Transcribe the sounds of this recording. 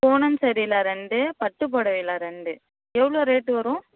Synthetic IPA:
poːnɐmsɐɾɪlaɾɛɳɖɯpɐʈːɯp̬ːɐɽɐʋɪlaːɾɛɳɖɯ | ɛʋɭoːɾeːʈːɯʋɐɾʊ̃ː

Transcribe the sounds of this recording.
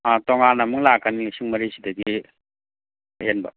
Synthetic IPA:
atɔŋanamuŋlakːanisʰiŋmɐɾisidɐɡi | ɦenba̰

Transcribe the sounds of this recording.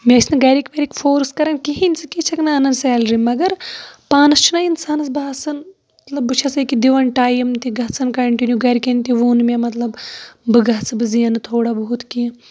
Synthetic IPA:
mʲesʲnɐɡɐɾikpeɾikfʰoːɾskɐɾɐnkiɦinʲt͡sɨkit͡ʃʰɐknɐːnɐnsɛːlɾimːɐɡɐɾpaːnɐst͡ʃʰunɐinsaːnɐsbaːsɐnmɐt̪lɐbbɨt͡ʃʰɐsɐkid̪iʋɐnʈaːjimt̪iɡɐt͡sʰɐnkɐɳʈinjuɡɐɾikenʲt̪iʋuːnmʲemɐt̪lɐbbɨɡɐɦt͡sʰɨbɨzijɐnɨt̪ʰoːɽabɐɦut̪ki

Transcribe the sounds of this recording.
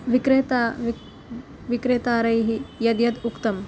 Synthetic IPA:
ʋikɾet̪aʋ | ʋikɾet̪aːɾɐjɦijɐd̪jɐd̪ukt̪ɐm

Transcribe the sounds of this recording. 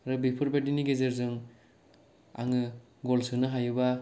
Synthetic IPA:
ɾɯbipʰɯɾbediniɡezeɾzɯŋ | a̰ŋɯ | ɡolsɯnɯɦajuba

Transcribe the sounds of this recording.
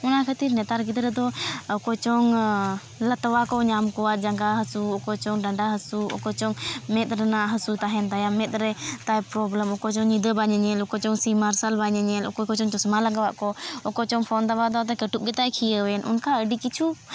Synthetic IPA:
ɔnakʰət̪iɾnɛt̪aɾɡid̪ɾɛd̪ɔɔkɔt͡ʃɔŋ | lət̪wakɔɲamkɔwaʔd͡ʒaŋɡaɦəsuɔkɔt͡ʃɔŋɖaɳɖaɦəsuɔ̰kɔt͡ʃɔŋmɛt̪̚ɾɛnaʔɦəsut̪aɦɛnt̪ajamɛt̪̚ɾɛt̪ajpɾɔbləmɔkɔt͡ʃɔŋɲid̪əbaɲɛɲɛlɔkɔt͡ʃɔŋsimaɾsəlbaɲɛɲɛlɔ̰kɔkɔt͡ʃɔŋt͡ʃɔsmalaɡawa̰ʔkɔɔkɔt͡ʃɔŋpʰɔnd̪awad̪ɔt̪̬ɛkəʈup̚ɡɛt̪ajkʰijəjɛnɔ̰nkaəɖikit͡ʃʰu

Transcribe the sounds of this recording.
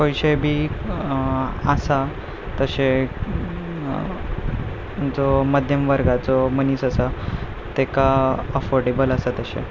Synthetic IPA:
pəjɕebʱiː | əsa | t̪əɕe | d͡zoməd̪ʱjəmʋəɾɡat͡sɔməniːsəsa | t̪ekaəfoɾɖebələsat̪əɕḛ

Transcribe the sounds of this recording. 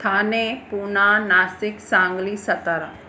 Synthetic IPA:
t̪ʰaːnepuːnaːnaːsɪksãːŋɡlisɐt̪əɾ

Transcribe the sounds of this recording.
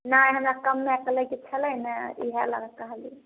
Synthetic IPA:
najɦəmɾakəmːeakələkit͡ʃʰələjnɛḭɦɛləɡəəɦəli

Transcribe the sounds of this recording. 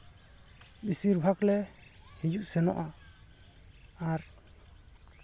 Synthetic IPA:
bisiɾbʱaklɛ | hid͡ʒuʔsɛnɔʔa | aɾ

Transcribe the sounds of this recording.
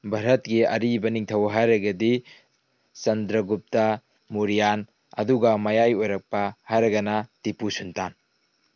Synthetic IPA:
bʱɐɾɐt̚ɡiɐ̰ɾibɐniŋtʰɐwɦajɾɐɡɐdi | t͡ʃɐndɾɐɡup̚tɐ | muɾijan | ɐ̰duɡɐmɐjajojɾɐk̚pɐhajɾɐɡɐnɐtipusuntan

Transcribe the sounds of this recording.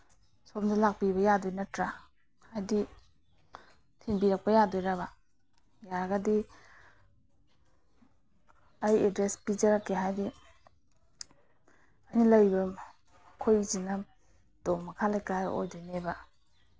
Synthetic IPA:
sɔmdalak̚pibɐjadɔjnɐtɾa | hajdi | tʰinpiɾak̚pɐjadojɾaβa | jaɾɡadi | ajedɾespizaɾakːeɦajdi | anilajbɐ | kʰojzina | d̥ɔŋmɐkʰalajkajo̰jdɔjneba

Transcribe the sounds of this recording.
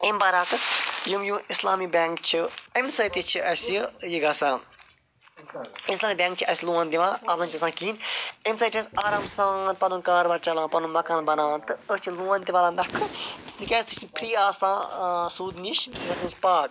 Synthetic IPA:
embɐɾaːk̪ɨsjimjũːislaːmibʲãːŋkt͡ʃʰiemsɐːt̪it͡ʃʰiɐsjɨjiɡɐsãː | emslaːmibʲaːŋk̚t͡ʃʰiʔɐsʲiluːɐ̃nd̪iʋãːɐlɐ̃nt͡ʃʰɐsãːkiːnemsɐjt̪ʲʰɐsaːɾamsãːn̚pɐnũkaːɾʋɐɾt͡ʃɐlãːpɐnũmɐkaːnbɐnaːʋãːnt̪ɨət͡ʃʰiluːɐ̃nt̪iʋaːlãːnɐkʰːɨt̪ɨ̥sikʲast̪ɨt͡ʃipʰɾiːaːsãːsuːd̪niʃsisɐknĩt͡ʃpaːk̚

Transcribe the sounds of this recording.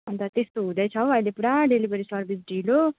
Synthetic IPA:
ʌnt̪ʌt̪est̪oɦũd̪ʌjt͡sʰʌwʌilepuɽaɖelibʌɾisʌrbisɖilo

